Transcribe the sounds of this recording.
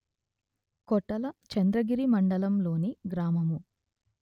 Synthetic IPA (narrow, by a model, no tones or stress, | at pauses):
kɔʈːɐlɐt͡ʃɐnd̪ɾɐɡiɾimɐɳɖɐlɐmlo̞ːniɡɾaːmɐmu